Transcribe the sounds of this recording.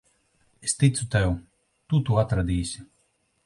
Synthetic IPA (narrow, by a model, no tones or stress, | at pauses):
est̪it̪sut̪ɛw | t̪ut̪uat̪ɾad̪iːsʲi